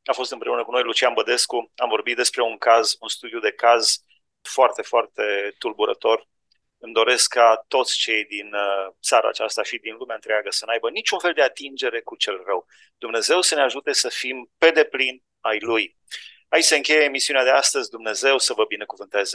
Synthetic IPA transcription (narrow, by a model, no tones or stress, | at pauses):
afo̞st̪ɨmpɾeunəkuno̞jlut͡ʃianbəd̪e̞skuamvo̞rbit̪̚d̪e̞spɾe̞uŋkazunst̪ud̪iud̪e̞kaz | foart̪e̞foart̪e̞t̪ulbuɾə̰t̪o̞r | ɨmd̪o̞ɾe̞skːat̪o̞t̪sʲt͡ʃe̞jd̪int̪saɾa̰ːt͡ʃast̪aʃid̪inlumeaɨnt̪ɾeaɡəsənajbənit͡ʃunfeld̪e̞at̪ind͡ʒe̞ɾe̞kut͡ʃe̞lrəw | d̪̥umne̞ze̞wsəneaʒut̪e̞səfimpe̞d̪e̞plin | ajluj | ait͡ʃse̞ɨŋkʲe̞jeːmisiunead̪east̪əzʲd̪umne̞ze̞wsəvəbine̞kuvɨnt̪e̞zə